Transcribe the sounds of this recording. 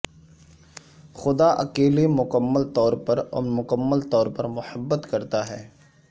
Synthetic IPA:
xʊd̪aʔɐ̰keːlemʊkəmːəlt̪ɔːɾpɐɾɔ̰ːmʊkəmːəlt̪ɔːɾpɐɾmʊhəbːət̪kɐɾt̪aɦɛː

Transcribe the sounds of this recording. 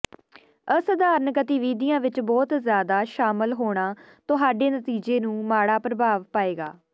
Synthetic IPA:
əsd̪aːɾənkət̪ɪʋiːd̪ijãːʋɪt͡ʃbɔːt̪zjaːd̪aːʃaːməlɦoːɽ̃aː | t̪ʊɦaːɖeːnət̪iːd͡ʒeːnũːmaːɽaːpɾəbʱaːʋpaːeːɡa̰ː

